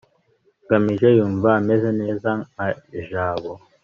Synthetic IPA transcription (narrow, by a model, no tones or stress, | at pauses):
kamiʒɛjumvamɛzɛnezaŋaʒawɔ